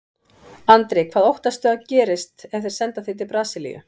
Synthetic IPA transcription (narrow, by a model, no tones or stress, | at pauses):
ant̪ɾɪkʰvaːðowht̪ast̪ʏacɛːɾɪst̪ɛfθeɾ̥sɛnt̪aθit̪̬ʰɪlpɾaːsɪlḭjʏ̰